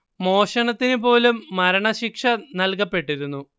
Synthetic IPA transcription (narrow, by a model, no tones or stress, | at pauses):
mo̞ːʂɐɳɐt̪ːinupo̞ːlumːɐɾɐɳɐɕikʂɐnɐlkɐpːe̞ʈːiɾunːu